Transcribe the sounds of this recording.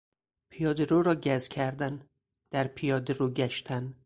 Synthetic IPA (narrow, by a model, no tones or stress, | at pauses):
pʰijɒːd̪eɾoːɾɒːɟæzcʲʰæɾd̪æn | d̪̥æɾpʰijɒːd̪eɾoɟæʃt̪ʰæn